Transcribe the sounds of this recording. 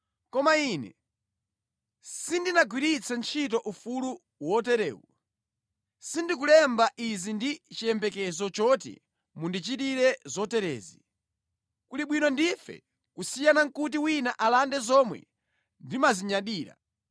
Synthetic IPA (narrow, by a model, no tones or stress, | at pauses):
kɔmaiːnɛ̰ | sindinaɡwiɾit͡sʰant͡ʃʰit̬ɔʔufulu | wɔt̬ɛɾɛ̰ːṵ | sindik̬ulɛmbaʔizindit͡ʃijɛmbɛkɛzɔt͡ʃɔtḭ | mundit͡ʃitiɾɛzɔtɛɾɛ̰ːzi | kuliɓwinɔndifɛ̰ | kusijanaŋ̩kut̬iwinaʔalandɛzɔmwɛ̰ | ndimaziɲaɗiːɾa̰